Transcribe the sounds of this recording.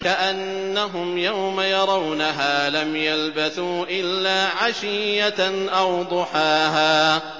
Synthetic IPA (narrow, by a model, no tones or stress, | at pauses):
kaʔanːaɦʊmjawmajɑɾˤɑwnaɦaːlamjalbaθuːʔɪlːaːʕaʃɪjaʔawd̪ˤʊħaːɦaː